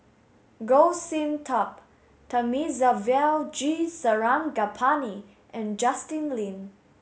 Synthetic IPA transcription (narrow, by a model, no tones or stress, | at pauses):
ɡosĩmtʰɔp | tʰamizavɛld͡ʒisəɹãmɡapʰani | ʔɛ̃nd͡ʒastĩnlĩn